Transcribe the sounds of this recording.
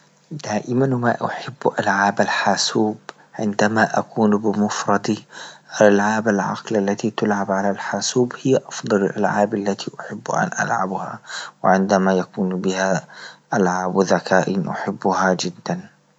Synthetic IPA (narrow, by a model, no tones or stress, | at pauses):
d̪aːʔɪmanmaʔaħɪbːʔalʕaːbalħaːsuːb | ʕɪnd̪amaʔakuːnbɪmʊfɾˤɑd̪alʔalʕaːbalʕa̰qlʔalːat̪it̪ʊlʕabʕalalħaːsuːbhɪjːaʔɑfd̪ˤɑlalʔa̰lʕaːbalːat̪iʔʊħɪbːʔa̰nʔa̰lʕa̰bha̰wɪʕɪnd̪amajakuːnbɪhaʔalʕaːbðakaːʔɪnʔa̰ħɪbːʊhad͡ʒɪd̪ːan